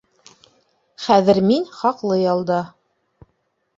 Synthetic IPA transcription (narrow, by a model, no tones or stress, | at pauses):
χæðɘ̆ɾminχɑqlˠɤjɑlˠd̪ɑ